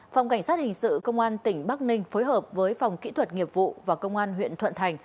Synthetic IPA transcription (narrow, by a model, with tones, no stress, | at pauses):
fa˨˩wŋ͡mka˧˩ŋ̟saː˦˥t̚hï˨˩ŋ̟sɨ̰˧˨kə˧wŋ͡mʔaː˧nt̪ï˧˩ŋ̟ɓa˦˥k̚nï˧ŋ̟foː˨˦jɦəː˨˩p̚vəː˨˦jfa˨˩wŋ͡mkḭ˧˥t̪ʰwə˨˩t̚ŋi˨˩əp̚vṵ˧˨vaː˨˩kə˧wŋ͡mʔaː˧nɦwḭ˧˨ənt̪ʰwə̰˧˨nt̪ʰa˨˩jŋ̟